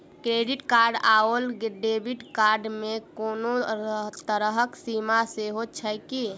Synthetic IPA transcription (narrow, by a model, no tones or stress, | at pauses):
kɾeːɖɪʈkaːɾɖaolɖeːbɪʈkaːɾɖmẽkoːnot̪əɾəɦəksiːmaseɦot͡ʃʰəjki